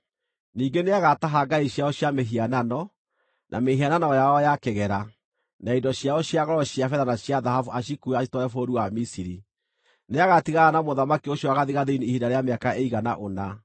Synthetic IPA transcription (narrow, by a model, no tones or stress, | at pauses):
niːɡeneaɣataɦaɡaiɕjaɔɕjameɦiananɔ | nʔa̰mehiananɔjaɔjakeɣɛɾa | naidɔɕjaɔɕjaɣɔɾɔɕjafɛðanaɕjaðahafuaʃ̬ikuɛaʃitɔɛfoɾuwamisiɾi | neaɣatiɣaɾanamoðamakioɕjɔaɣaðiɣaðeiniːhindaɾeameakaeiɣana̰ʔona